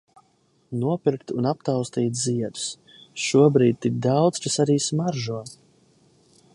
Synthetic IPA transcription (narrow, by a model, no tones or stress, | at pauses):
nuɔpiɾkt̪unap̚t̪awst̪iːt̪ziɛd̪s | ʃuɔbɾiːd̪̚ʲt̪ːik̚d̪awd̪skasaɾiːsmaɾʒuɔ